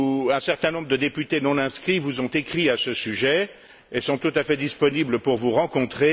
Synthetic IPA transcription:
ɛ̃sɛʁt̪ɛ̃nɔ̃bʁəd̪əd̪epyt̪enɔ̃nɛ̃skχivuzɔ̃t̪ekχiasəsyʒɛ | esɔ̃t̪ut̪afɛd̪ispɔnibləpuʁvuʁɑ̃kɔ̃t̪χe

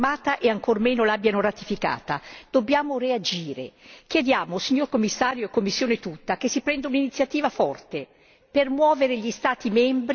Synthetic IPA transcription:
maːt̪aʔeaŋkormenolabːjanoɾat̪ifika̰ːt̪ad̪̥obːjaːmoread͡ʒiːɾḛkjed̪jaːmosiɲːorkomːisːaːɾjoekːomːisːjoːnet̪ut̪ːak̟esːipɾɛnd̪auninit̪sjat̪iːvafɔrt̪e | permwɔːveɾeʎist̪aːt̪imɛmbɾ

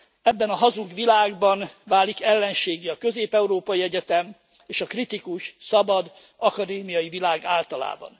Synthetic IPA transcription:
ɛbːɛnɒɦɒzuɡʋilaːɡbɒnvaːlːikɛlːɛnʃeːɡiɒkø̞zeːpɛuɾoːpɒjiɛɟɛt̪ɛm | eːʃɒkrit̪ikuʃsɒbɒd̪ | ɒkɒd̪eːmijɒjivilaːɡaːlt̪ɒla̰ːbɒ̰n

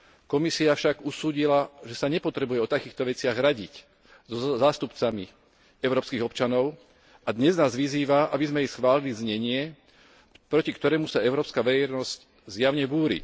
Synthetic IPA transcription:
kɔmisiafʃaɡusuːɟilaʒɛsaɲɛpɔt̪ɾɛbujɛɔt̪akiːxt̪ɔʋɛt͡sɪaɣɾaɟic | zɔzaːst̪upt͡sami | ɛʊɾɔːpskiɣɔpt͡ʃanɔʊ | ad̪ɲɛznaːzʋiziːʋaʔabizmɛjɛsxʋaːlilizɲɛɲɪɛ | pɾɔcikt̪ɔɾɛːmusaɛʊɾɔːpskaʋɛɾɛjnɔzc | zjaʊɲɛbuːɾḭ

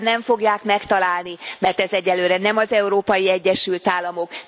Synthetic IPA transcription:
nɛɱfo̞ɡjaːkmɛkt̪ɒlaːlnimɛrt̪ɛzɛɟːɛlːøːɾɛnɛmɒzɛuɾoːpɒjiɛɟːɛʃylt̪aːlːɒmo̞k

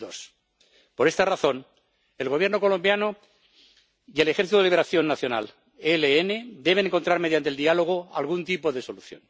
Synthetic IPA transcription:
os | po̞ɾe̞st̪araθo̞n | e̞lɣo̞β̞je̞ɾnoko̞lõ̞mbjano | ie̞le̞xeɾθit̪uðliβeɾaθjo̞nːaθjo̞na̰l | eleene̞d̪e̞βneŋkont̪ɾaɾme̞ðjant̪eld̪ialo̞ɣ̞oa̰lɣunt̪ipo̞ðe̞so̞luθjo̰n

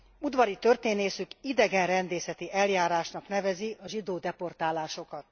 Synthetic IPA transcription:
ud̪ʋɒɾit̪ø̞rt̪eːneːsykid̪ɛɡɛnrɛnd̪eːsɛt̪iʔɛljaːɾaːʃnɒkn̪ɛvɛziɒʒid̪oːd̪ɛpo̞rt̪aːlaːʃo̞kɒt̪

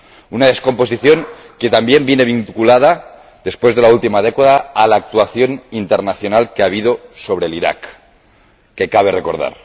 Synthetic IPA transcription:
unað̞e̞sko̞mpo̞s̬iθjo̞ŋ | ke̞t̪ambje̞mbje̞ne̞β̞iŋkulað̞a | ðe̞spwe̞zðelault̪imað̞e̞kaðaːlaːk̚t̪uaθjo̞nint̪e̞ɾnaθjo̞nalkeaβ̞ið̞o̞so̞βɾe̞ːliɾa̰kː | e̞kaβ̞e̞re̞ko̞ɾð̞a̰ɾ

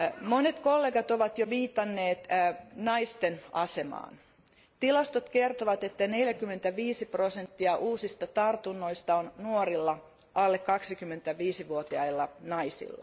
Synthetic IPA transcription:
monet̪kolːeːɡɑt̪oʋɑt̪joʋiːt̪ːɑnːeːt̪ːnɑist̪enɑsemɑ̰ːn | t̪ilɑst̪ot̪kert̪oʋɑt̪et̪ːæneljækymːent̪æʋiːsiprosent̪ːiɑʔuːsist̪ɑt̪ɑrt̪unːoist̪ɑonnuorilːɑ | ʔɑlːekːɑksikymːent̪æʋiːsiʋuot̪iɑilːɑnɑisḭlːɑ̰

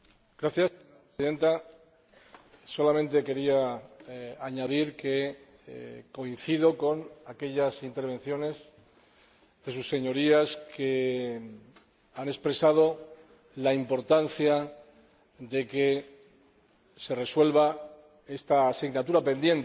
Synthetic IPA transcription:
ɡ̥ɾaθjaseɲoɾapɾesiðe̞nt̪a | so̞lamẽnt̪e̞ke̞ɾia | aɲaðiɾke̞ | ko̞inθiðo̞ko̞nake̞ʎasint̪e̞ɾβ̞ẽ̞nθjo̞ne̞z | ðe̞susːe̞ɲo̞ɾiaske | ane̞spɾe̞sað̞o̞ | laimpo̞ɾt̪anθja | ðe̞ke̞ | se̞re̞swe̞lβa | e̞st̪aːsiɣnat̪uɾape̞nd̪je̞nt̪

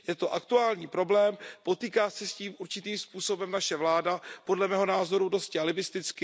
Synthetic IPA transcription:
jɛt̪oʔakt̪uaːlɲiːpɾo̞blɛːmpo̞t̪iːkaːsɛsciːmʔuɾt͡ʃɪt̪iːmspuːso̞bɛmnaʃɛvlaːdapo̞dlɛmɛːɦo̞naːzo̞ɾudo̞scɛalɪbɪst̪ɪt͡skɪ

